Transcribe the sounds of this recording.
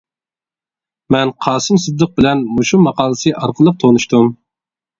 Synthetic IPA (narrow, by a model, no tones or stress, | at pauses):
mɛnqʰɑːsɨmsɨd̪ːəq̚bɪlɛnmuʃumɑqʰɑːlˠəsɨʔɑɾqʰəlˠɨp̚t̪ʰoʁnuʃt̪um